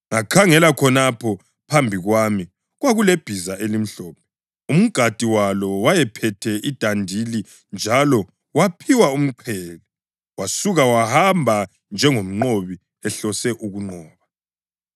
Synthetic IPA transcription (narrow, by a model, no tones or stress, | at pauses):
ŋakʰaŋɛlakʰɔnapʰɔ | pʰambʱiɣwami | ɣwaɣuleb̥ʱizaʔelim̩ɬɔːp̚ʰɛ | um̩ɡ̥ʱad̥ʼʱiwalɔwajɛpʰɛtʰɛʔid̥ʱandʱili | nd͡ʒʱalɔ | wapʰiwaum̩ǃʰɛːlɛ | wasuɣawahambʱa | nd͡ʒʱɛŋom̩ŋ͡ǃoβi | ɛɬɔsɛʔuɣuŋ͡ǃɔːβa